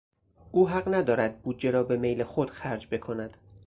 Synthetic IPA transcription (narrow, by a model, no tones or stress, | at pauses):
ʔuːɦæɢnæd̪ɒːɾæd̪̚buːd̪̚d͡ʒe̞ɾɒːbe̞mejlexod̪̥xæɾd͡ʒbe̞kʰo̞næd̪̥